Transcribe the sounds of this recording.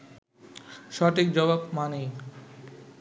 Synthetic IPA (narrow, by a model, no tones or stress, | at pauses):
ʃɔʈikd͡ʑɔβabmanej